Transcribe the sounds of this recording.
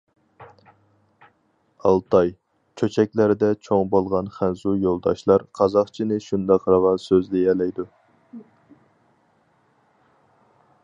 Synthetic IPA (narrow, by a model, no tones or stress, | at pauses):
ɑlˠt̪ʰɑj | t͡ʃʰøt͡ʃʰɛk̚ʲlæɾɪd̪ɛt͡ʃʰoŋbolˠʁɑnχænzujolˠd̪ɑ̰ʃlˠɑɾqʰɑzɑχt͡ʃʰinɨʃund̪ɑqʰɾɑʁɑnsøzlɪɛlɛjd̪u